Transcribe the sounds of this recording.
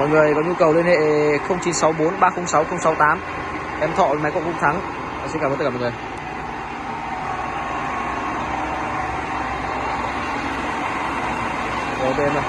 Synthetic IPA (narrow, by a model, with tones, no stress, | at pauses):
mɔ̰˧˨ŋɨ˨˩əjkɔː˨˦ɲu˧kə˨˩wlwi˧ənhḛ˧˨xə˧wŋ͡mt͡ɕi˨˦nsa˨˦wɓo˨˦nɓaː˧xə˧wŋ͡msa˨˦wxə˧wŋ͡msa˨˦wt̪aː˨˦m | ʔɛ˧mt̪ʰɔ̰˧˨˩ma˨˦jkɔ̰˧˨ŋkʊ̰˧˥ŋ͡m̚t̪ʰa˨˦ŋ | la˨˩sɛ̰˧˥kaː˧˩˨ɔ̰˨˩ŋɨ˨˩j | ʔo˧˩ɗɛ˧m˧˩